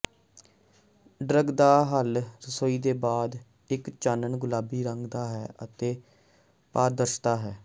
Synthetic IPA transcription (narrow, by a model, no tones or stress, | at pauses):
ɖɾəɡd̪aːɦəlɾəsoːiːd̪eːbaːd̪ | ɪkt͡ʃaːnəɳɡʊlaːbiːɾəŋɡd̪aːɦɛːə̰t̪eː | paːɾd̪əɾʃt̪aːɦɛː